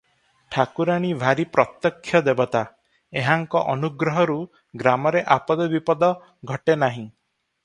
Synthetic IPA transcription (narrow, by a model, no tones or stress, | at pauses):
ʈʰakuɾaɽ̃ibʱaɾipɾɔt̪jɔkʰːjɔd̪ebɔt̪a | eɦaŋkɔʔɔnuɡɾɔɦɔɾu | ɡɾamɔɾeʔapɔd̪ɔbipɔd̪ɔ | ɡʱɔʈenaɦĩ